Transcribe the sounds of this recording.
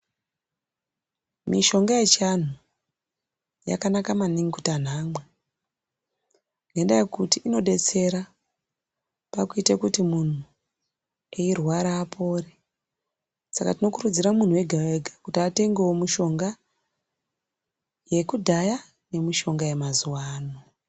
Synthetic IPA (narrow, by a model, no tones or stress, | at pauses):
miʃo̞ŋɡajet͡ʃan̤u | ja̰kanakamaniŋikutan̤aːmwe | ŋendajekutiʔino̞ɗe̞t͡se̞ɾa | pakuitekutimun̤u | eirwaɾaːpʰo̞ːre | sakatino̞kuɾud͡ziɾamun̤uwe̞ɡʱaweɡʱakutiate̞ŋɡewomuʃo̞ŋɡa | je̞kudʱaja | ne̞miʃo̞ŋɡaje̞mazuwaːno